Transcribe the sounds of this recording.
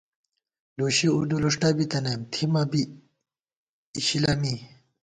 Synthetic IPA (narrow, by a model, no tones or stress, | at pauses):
luɕiud̪uluʂʈabit̪ɐnɐmt̪ʰimɐbi | ɕilami